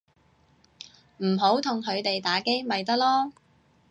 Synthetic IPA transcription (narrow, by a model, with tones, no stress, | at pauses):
m̩˨˩ɦo˨˥wt̪ʰʊ˨˩ŋkʰɵ˨˧ɥt̪e˨jt̪aː˨˥ke˥jmɐ˨jt̪ɐ˥k̚lɔː˥